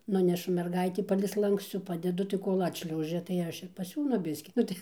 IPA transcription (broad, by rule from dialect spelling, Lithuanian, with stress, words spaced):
ˈnʊnʲɛʃʊ mʲɛrɡɐɪtʲiː ˈpɑːlʲɛɪ ˈslˠɐŋkst͡suː ˈpɑːdʲɛdʊ tɐɪ ˈkoːlʲ ˈɑːtʲʃʲlʲɛʊʒʲɛ tɐɪ ˈɐʃ ɪr pɐˈsʲuːnʊ ˈbʲɪsʲkʲiː ˈnʊ tɐɪ